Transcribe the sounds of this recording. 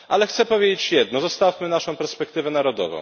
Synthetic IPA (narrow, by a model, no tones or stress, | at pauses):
ʔalɛxt̪sɛpɔvʲjed͡ʑet͡ɕjɛd̪̚nɔzɔst̪afmɘnaʂɔ̃w̃pɛɾspɛkt̪ɘvɛnaɾɔd̪ɔ̰vɔ̰̃w̃